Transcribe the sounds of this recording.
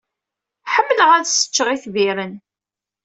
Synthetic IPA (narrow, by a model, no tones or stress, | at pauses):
ħəmːələʁæðsə̥t͡ʃːəʁiθviɾən